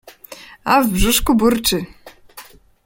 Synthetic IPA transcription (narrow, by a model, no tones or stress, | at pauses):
avbʐuʂkubuɾt͡ʂɘ